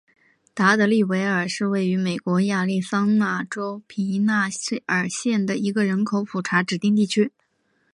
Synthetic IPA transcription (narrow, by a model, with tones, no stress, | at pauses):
t̪a˧˥t̪ə˧˥li˥˩we˧˥ɪə˞˨˩ʂɻ̩˥˧we˥˩ɪy˧˥me˨˩ɪkwɔ˧˥ja˥˧li˥˩sɑ˥ŋna˥˩ʈ͡ʂo˥ʊpʰi˧˥na˥˩ə˞˨˩ɕjɛ˥˩nd̪ə˩i˧˥ɡə˧ɻə˧˥nkʰo˨˧˥ʊpʰu˨˩ʈ͡ʂʰa˧˥ʈ͡ʂɻ̩˨˩t̪i˥˧ŋt̪̬i˥˩t͡ɕʰy˥